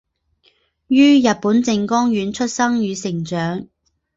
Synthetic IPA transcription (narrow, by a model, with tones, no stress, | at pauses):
jyː˥jɐ˨t̚puː˨˥nt͡sɪ˧ŋkɔː˥ŋjyː˨˥nt͡ʃʰɵ˥t̚sɐ˥ŋjyː˨˧sɪ˨˩ŋt͡ʃœː˨˥ŋ